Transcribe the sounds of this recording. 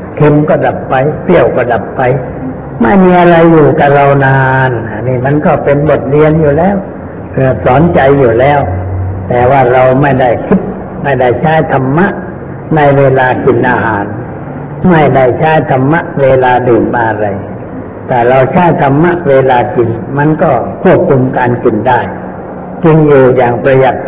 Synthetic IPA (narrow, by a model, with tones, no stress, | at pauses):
kʰe˧mkɔː˧˥˩da˨˩p̚ːa˧jpi˧˥˩əwkɔː˥˩da˨˩pːa˧j | ma˥˩jmiː˧ʔa˧ɾa˧jːuː˨˩ka˧˩ɾa˧wnaː˧na˨˧˩niː˧˥˩ma˧˥˨nkɔː˧˥˩pe˧nbo˨˩t̪̚li˧ənjuː˨˩lɛː˦˥˩w | kʰɯː˧˩ɐsɔː˩˦nt͡ɕa˧jːuː˨˩lɛː˧˩wt̪ɛː˨˩waː˧˥˩ɾa˧wma˥˩jda˥˩jkʰi˦˥p̚ | ma˥˩jda˥˩jt͡ɕʰaː˧˥˩jt̪ʰa˧mːa˦˥ʔ | na˧jweː˧laː˧ki˧˩nʔa˧ɦaː˨˦n | ma˥˩jda˥˩jt͡ɕʰaː˧˥˩jt̪ʰa˧mːa˦˥ʔweː˧laː˧dɯː˨˩nbaː˧ʔɾa˧j | t̪ɛː˨˩ɾa˧wt͡ɕʰaː˧˥˩jt̪ʰa˧mːa˦˥ʔweː˧laː˧ki˨nma˧˥˨nkɔː˧˥˩pʰu˥˩əp̚kʰu˧mkaː˧nki˨˩ndaː˥˩j | t͡ɕi˧ŋjuː˨˩jaː˨˩ŋpɾa˧ja˨˩k̪̚